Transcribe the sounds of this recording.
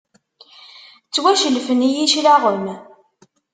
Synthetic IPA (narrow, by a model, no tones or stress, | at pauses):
t͡sːwæʃəlfənijiʃlaʁəm